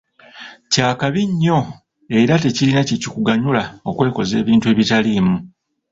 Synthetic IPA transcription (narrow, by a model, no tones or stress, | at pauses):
caːkaβiɲːo̞ | e̞ɾate̞cilinacicikuɡaɲulao̞kwe̞ːko̞ze̞ːβiːntue̞βitalimu